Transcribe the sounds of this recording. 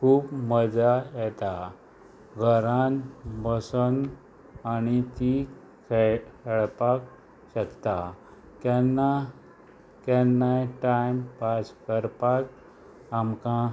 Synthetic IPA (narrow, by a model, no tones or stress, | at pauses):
kʰuːpməd͡zajɛt̪a | ɡʱəɾãnbəsən | anit̪i | kʰkɛɭpak | ɕəkt̪a | kɛnːa | kɛnːajʈajmpaskəɾpak | amkã